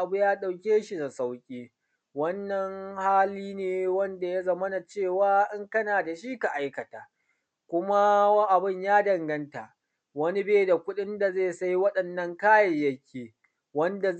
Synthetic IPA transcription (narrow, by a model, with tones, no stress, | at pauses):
ʔa˨bu˦jaː˦ɗa˨wkʲeː˦ʃi˨za˨sa˦wkʲʼiː˦ | wɐ˦nːɐ˨ŋhaː˦liː˦neː˨wɐ˦nda˨ja˦zɐ˦mɐ˦na˨t͡ʃeː˦˨waː˦ʔɪ˦ŋkɐ˦naː˨da˨ʃi˦ka˨ʔa˦jkɐ˨ta̰ː˨ | kʷʊ˦ma˦wa˦ʔa˨bɪ˦˨ɲjaː˦dɐ˨ŋɡɐ˦nta˨ʔ | wɐ˦ni˦beː˦da˨kʷʊ˦ɗɪ˦nda˨ze˦˨sa˦jwɐ˦ɗɐ˨nːɐ˦ŋkaː˦jɐ˨jjɐ˦kʲʰeː˨ | wɐ˦nda˨